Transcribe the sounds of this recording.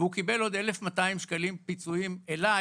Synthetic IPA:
eukibe̞lo̞d̪e̞lefmat̪aimʃkalimpit͡suimela

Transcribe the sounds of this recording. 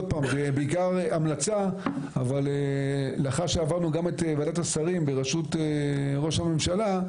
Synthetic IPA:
t̚paːmbebeikaʁamlat͡sa | avalelaχaʃeavaʁnuɡamet̪ːvadatasaʁimbeʁaʃuteʁo̞ʃhame̞mʃala

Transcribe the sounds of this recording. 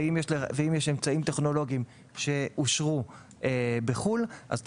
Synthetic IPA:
imjeʃleveimjeʃemt͡saimt̪eχno̞lo̞ɡim | ʃe̞ʔuʃʁu | ebeχulʔa̰zt

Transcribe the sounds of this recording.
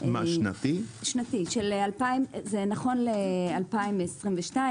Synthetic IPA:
ʔmaʃna̰t̪iʃnatiʃelealpaimzenaχo̞nlealpaimesʁimveʃnai

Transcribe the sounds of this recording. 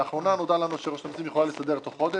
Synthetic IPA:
aχʁo̞nanod̪alanuʃeʁoʃanot̪imjeχolalesad̪eʁt̪o̞χo̞d̪e

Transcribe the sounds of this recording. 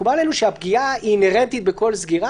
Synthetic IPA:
ubalenuʃeapɡiaiːneʁent̪it̪̚beko̞lzɡiʁa

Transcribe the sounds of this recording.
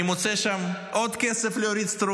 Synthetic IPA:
imot͡seʃamʔo̞d̪kesefleoɾid̪st̪ɾu

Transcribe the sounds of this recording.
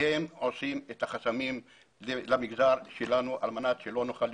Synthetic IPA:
emosimet̪aχasamim | lamiɡdaʁʃelanuʔalmanat̪ʃelo̞noχal

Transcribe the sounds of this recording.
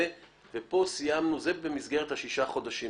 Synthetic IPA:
e | vepo̞sijamnuzebe̞mizɡe̞ʁet̪haʃiʃaχo̞d̪aʃi

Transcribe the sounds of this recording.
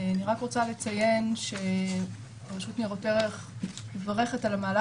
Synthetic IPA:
aniʁakʁot͡sale̞t͡saje̞nʃe̞ | paʃutniʁoteʁeχ | levaʁe̞χe̞talamaːla

